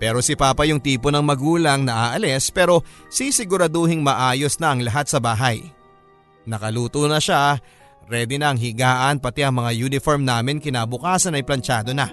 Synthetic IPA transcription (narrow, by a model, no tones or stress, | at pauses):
pɛːɾo̞sɪpaːpɐjʊŋt̪iːpo̞nɐŋmɐɡuːlɐŋnɐʔaːʔɐlɛspɛːɾo̞sisɪɡʊɾɐd̪ohɪŋmɐʔaːjo̞snɐʔɐŋlɐɦat̪̚sɐbaːɦɐj | nɐkɐluːt̪onɐʃa | ɾɛːd̪ɪnɐɐŋɦɪɡaːʔɐnpɐt̪iʔɐŋmɐŋajuːnɪfoɾmnaːmɪnkɪnaːbʊkaːsɐnɐjplɐnt͡ʃaːd̪o̞nɐ